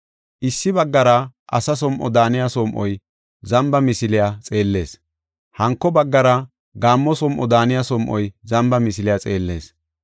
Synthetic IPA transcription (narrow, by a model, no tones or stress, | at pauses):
ʔɪsːɪbɐɡːɐɾɐʔɐ̰sɐs̬ɔmʔɔ̰d̪aːnɪjasɔmʔɔj | zɐmbɐmɪsɪlɪjat͡sʼe̞ːlːe̞̰ːs | hɐŋkːɔbɐɡːɐɾɐ | ɡaːmːɔsɔmʔɔd̪aːnɪjasɔmʔɔjzɐmbɐmɪsɪlɪjat͡sʼe̞ːlːe̞̰ːs